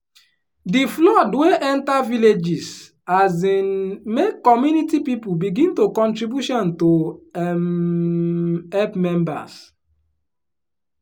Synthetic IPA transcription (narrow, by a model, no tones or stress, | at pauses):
diflɔdweʔɛ̃ntaviled͡ʒis | azĩnmekːɔmjunitipipubiɡĩntokɔ̃ntɹibjuʃɔ̃ntom | ɛpmɛ̃mba̰s